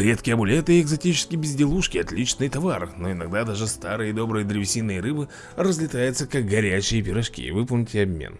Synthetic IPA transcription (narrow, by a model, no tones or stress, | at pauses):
ɾʲe̞t̪kʲɪjɐbʊlʲet̪ɨɪːɡzɐtʲit͡ɕɪ̥skʲɪbʲɪzʲdʲɪlˠuʂkʲɪɐt̪lʲit͡ɕnɨjt̪ɐvarno̞ɪnɐɡ̚d̪ad̪aʐɨst̪aɾɨjəɪd̪o̞bɾɨjəd̪ɾʲɪvʲɪsʲinːɨjəɾɨbɨ | rəzʲlʲɪt̪ajɪt̪səkaɡ̚ɡɐɾʲæt͡ɕːɪjəp̬ʲɪɾɐʂkʲḭvɨpəlˠnʲɪtʲɪɐbmʲḛn